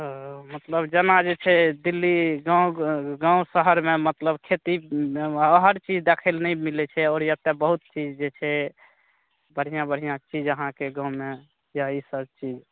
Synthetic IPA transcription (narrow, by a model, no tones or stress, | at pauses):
mət̪ləbd͡ʒənad͡ʒet͡ʃʰɛd̪ilːiɡãwɡãũsəɦəɾmemət̪ləbkʰet̪i | əɦəɾt͡ʃid͡ʒd̪ekʰəlnɛmilɛt͡ʃʰɛɔːɾjət̪ːebəɦut̪̚t͡ʃid͡ʒd͡ʒet͡ʃʰɛ | bəɽ̤ijãbəɽ̤ijãt͡ʃid͡ʒəɦãkeɡãũme | jaisəbt͡ʃid͡ʒ